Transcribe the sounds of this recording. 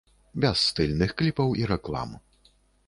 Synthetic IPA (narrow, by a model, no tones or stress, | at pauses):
bʲɛsːt̪ɨlʲnɨxklʲipɐwʔiɾɛklˠa̰mɨ